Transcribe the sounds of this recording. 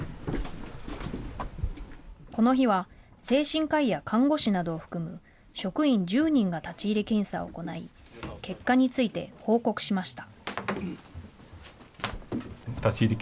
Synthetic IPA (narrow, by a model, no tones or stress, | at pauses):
ko̞no̞çiβa | se̞ːɕĩŋkaijakʰãŋɡo̞ɕinad̪o̞ːɸɯ̟̥kɯ̟mɯ̟ | ɕo̞kɯ̟ĩɲ̟d͡ʑɨːɲ̟ĩŋɡat̪at͡ɕiːɾʲekẽ̞ɰ̃sao̰ko̞nai | ke̞kːaɲ̟it͡sɨit̪e̞̰ho̞ːko̞kɯ̟̥ɕimaɕi̥t̪ḁ | t̪at͡ɕiɾʲe